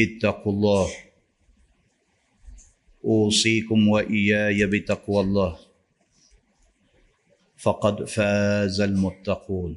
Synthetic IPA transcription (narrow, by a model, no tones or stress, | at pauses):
ʔɪt̪ːaqlˤːɑːh | ʔuːsˤiːkʊmwaʔɪjaːjabɪt̪ɑqwɑlˤːɑːh | fɑqɑd̪faːzalmʊt̪ːɑquːn